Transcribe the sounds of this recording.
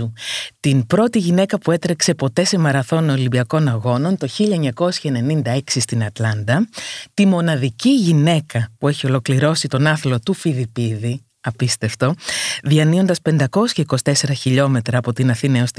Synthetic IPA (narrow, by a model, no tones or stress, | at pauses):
ut̪inpɾo̞t̪iʝine̞kɐpue̞t̪ɾekse̞po̞t̪e̞se̞mɐɾɐθo̞nolimbiɐko̞nɐɣo̞no̞nt̪o̞çiʎɐeɲɐko̞sçɐene̞nind̪ɐe̞ksist̪inɐt̪lɐnd̪ɐt̪imo̞nɐðiciʝine̞kɐpue̞çio̞lo̞kliɾo̞sit̪o̞nɐθlo̞t̪ufilipiði | ɐpist̪e̞ft̪o̞ðiɐnio̞nd̪ɐspe̞nd̪ɐko̞sçɐikosi̥t̪e̞se̞ɾɐçiʎo̞me̞t̪ɾɐːpo̞t̪inɐθinɐost̪